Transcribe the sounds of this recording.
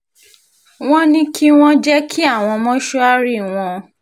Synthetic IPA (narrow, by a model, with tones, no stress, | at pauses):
w̃ɔ̃˦nĩ˦ki˦w̃ɔ̃˦d͡ʒɛ˦kʰi˦a˦˨w̃ɔ̃˧mɔ̃˦ʃɔ˦a˦ɾi˦˨w̃ɔ̃˧